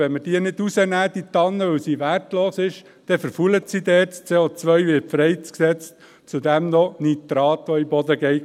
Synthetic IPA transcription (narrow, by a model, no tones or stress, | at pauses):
ʋɛnməd̥iənɪdusənæːd̥̪it̪ɑnːəʋœwsiʋærtloːsɪʃ | d̥ɛfəɾfulətsidɛːɾtst͡seːot͡sʋœɥʋɪːfɾɛɪt͡sksɛt͡st | t͡sud̪æmnɔnit̪ɾɑːt̪ɔibɔd̪əɡɛɪ